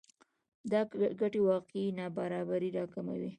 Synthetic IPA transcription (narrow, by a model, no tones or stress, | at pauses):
d̪ɑɡaʈewɑqeenɑbaɾɑbaɾiɾɑkama̰wi